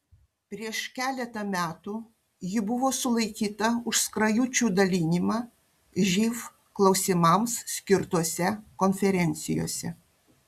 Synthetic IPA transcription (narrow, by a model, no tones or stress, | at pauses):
pʲɾʲiɛʃkʲæːlʲɛt̪ɐmʲæːt̪u | jɪbʊʋoːsʊlˠɐɪkʲiːt̪ɐʊʃskɾɐjʊt͡ʃʲuːd̪ɐlʲɪnʲimɑː | ʒʲiːf | klˠɒʊsʲɪmɐmssʲkʲɪɾt̪oɔsʲɛkɔnʲfʲɛɾʲɛnʲt̪sʲɪ̰jo̰ːsʲɛ̰